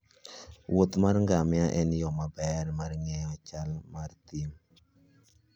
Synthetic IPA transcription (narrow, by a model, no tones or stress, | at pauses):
wot̪marŋɡamɪaʔɛnjɔmabɛrmarŋɛjɔt͡ʃalmart̪im